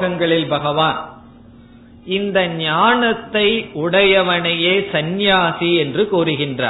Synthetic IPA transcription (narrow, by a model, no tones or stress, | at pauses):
ɣɐŋɡɐɭɪlbɐɣɐʋaːn | ɪnd̪ɐɲaːnɐt̪ːɐɪʊɽɐjɐʋɐnɐjeːsɐnjaːsiɛndrɯkuːɾɯɣɪndra̰ː